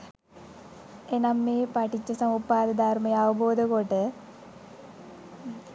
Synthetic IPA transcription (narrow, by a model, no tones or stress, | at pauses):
enɐmːeːpɐʈʰit͡ɕːɐsɐmupːaːd̪ɐd̪aːɾmɐjɐɐʋɐboːd̪ɐkoʈɨ